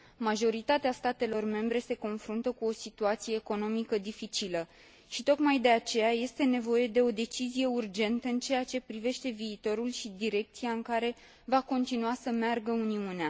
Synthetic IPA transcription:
maʒo̞ɾit̪at̪east̪at̪e̞lo̞rme̞mbɾe̞se̞ko̞nfɾunt̪əkuo̞sit̪uat̪sije̞ːko̞no̞mikəd̪ifit͡ʃilə | ʃit̪o̞kmajd̪e̞at͡ʃe̞jaje̞st̪e̞ne̞vo̞je̞d̪e̞o̞d̪e̞t͡ʃizije̞urd͡ʒe̞nt̪əɨnt͡ʃe̞jat͡ʃe̞pɾive̞ʃt̪e̞viːt̪o̞ɾulʃid̪iɾe̞k̚t̪sijaɨŋkaɾe̞ | vako̞nt̪inuasəmearɡəuniunea

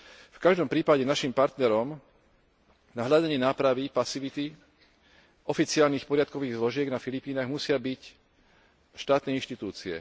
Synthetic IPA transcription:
fkaʒd̪ɔmpɾiːpaɟɛnaʃimpaɾt̪nɛɾɔm | naɦʎadaɲɪɛnaːpɾaʋipasiʋit̪i | ɔfit͡siaːlniːxpɔɾɪat̪̚kɔʋiːɣzlɔʒɪɛɡnafilipiːnaːɣmusɪabic | ʃt̪aːt̪nɛinʃt̪it̪uːt͡siɛ̰

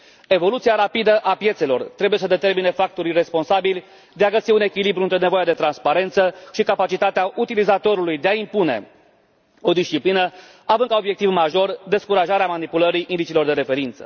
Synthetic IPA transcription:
e̞vo̞lut̪siaɾapid̪əʔapje̞t̪se̞lo̞̰rt̪ɾe̞buje̞səd̪e̞t̪e̞rmine̞fak̚t̪o̞ɾijre̞spo̞nsabilʲ | d̪e̞aɡəsiune̞kʲilibɾuɨnt̪ɾe̞ne̞vojad̪et̪ɾanspaɾe̞nt̪səʃikapat͡ʃit̪at̪eaʔut̪ilizat̪o̞ɾulujd̪eaimpune̞̰ | o̞d̪ist͡ʃiplinə | avɨnkao̞bjekt̪ivmaʒo̞rd̪e̞skuɾaʒaɾeamanipuləɾiʔind̪it͡ʃilo̞rd̪e̞ɾe̞fe̞ɾint̪sə̥̰

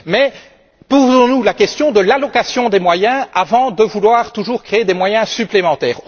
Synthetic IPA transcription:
mɛ | pozɔ̃nulakʲɛst̪jɔ̃d̪əlalɔkasjɔ̃d̪emwajɛ̃avɑ̃d̪əvulwaːʁt̪uʒuːʁkχeed̪emwajɛ̃syplemɑ̃t̪ɛ̰ːʁ

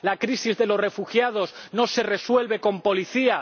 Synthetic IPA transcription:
lakɾisizðe̞lo̞sre̞fuxjað̞o̞zno̞se̞re̞swe̞lβe̞ko̞mpo̞liθia

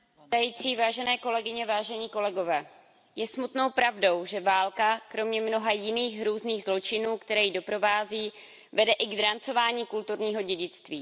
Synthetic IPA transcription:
t̪ajiːt͡siːvaːʒɛnɛːko̞lɛɡɪɲɛvaːʒɛɲiːko̞lɛɡo̞vɛː | jɛsmut̪no̞wpɾavdo̞wʒɛvaːlkakɾo̞mɲɛmno̞ɦajɪniːxɾuːzniːɣzlo̞t͡ʃɪnuːkt̪ɛɾɛːjɪdo̞pɾo̞vaːziː | vɛdɛʔɪɡd̪ɾant͡so̞vaːɲiːkult̪uɾɲiːɦo̞ɟɛɟɪt͡st̪viː

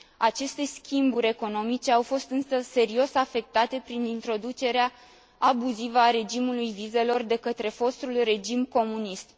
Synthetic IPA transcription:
at͡ʃe̞st̪e̞skʲimbuɾʲe̞ko̞no̞mit͡ʃe̞awfo̞st̪ɨnsəse̞ɾio̞safe̞k̚t̪at̪e̞pɾinint̪ɾo̞d̪ut͡ʃe̞ɾea | abuzivəaɾe̞d͡ʒimulujvize̞lo̞rd̪e̞kət̪ɾe̞fo̞st̪ulre̞d͡ʒimko̞munist̪

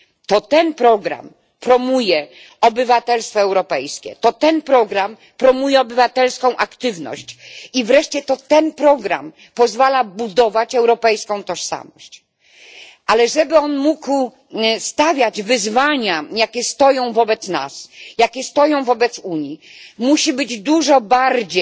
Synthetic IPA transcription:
t̪ɔt̪ɛnpɾɔɡɾa̰m | pɾɔmujɛ | ɔbɘvat̪ɛlst̪fɔɛwɾɔpɛjskʲɛ̰t̪ɔt̪ɛnpɾɔɡɾam | pɾɔmujɛɔbɘvat̪ɛlskɔ̃w̃ʔakt̪ɘvnɔ̰ɕt͡ɕivɾɛʂt͡ɕɛt̪ɔt̪ɛnpɾɔɡɾa̰m | pɔzvalabud̪ɔvat͡ɕɛwɾɔpɛjskɔ̃w̃t̪ɔʂsa̰mɔɕt͡ɕ | ʔalɛʐɛbɘɔnmukw | st̪avʲjad͡ʑvɘzvaɲajakʲɛst̪ɔjɔ̃w̃vɔbɛt̪sna̰sjakʲɛst̪ɔjɔ̃w̃vɔbɛt̪suɲjimuɕibɘd͡ʑd̪uʐɔbaɾd͡ʑe

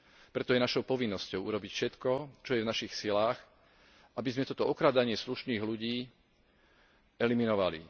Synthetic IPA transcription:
pɾɛt̪ɔjɛnaʃɔʊpɔʋinːɔscɔʊʔuɾɔbicfʃɛt̪kɔt͡ʃɔjɛvnaʃixsilaːx | ʔabizmɛt̪ɔt̪ɔɔkɾaːd̪aɲɪɛsluʃniːɣluɟiː | ɛliminɔʋalḭ

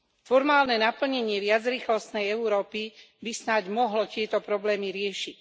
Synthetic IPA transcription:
fɔɾmaːlnɛnapl̩ɲɛɲɪɛʋɪad͡zɾiːxlɔst̪nɛjɛuɾɔːpi | bisnaɟmɔɦlɔt̪ɪɛt̪ɔpɾɔblɛːmiɾɪɛʃic

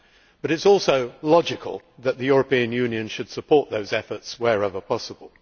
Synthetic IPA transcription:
b̥ʌɾɨtsɔˑlˠsəʊlɑd͡ʒɪkʰə̰lˠ | ðəʔ̪̚ðɨjʊɹəpĩɨ̃njʉ̃niɨ̃nʃɨd̥səpʰɔɹʔ̪̚ðoʊzɛfə˞tswəɹɛvəpʰɑsəbə̰lˠ

